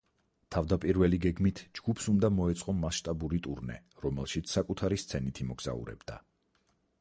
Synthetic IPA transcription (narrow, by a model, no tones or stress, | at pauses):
t̪ʰavd̪apʼiɾvɛliɡɛɡmit̪ʰd͡ʒɡ̥upʰsund̪amɔɛt̪sʼqʼɔmasʃt̪ʼabuɾit̪ʼuɾnɛ̰ | ɾɔmɛlˠʃit̪sʰsakʼut̪ʰaɾist̪sʰɛnit̪ʰimɔɡz̥a̰ṵɾɛ̰bd̪a̰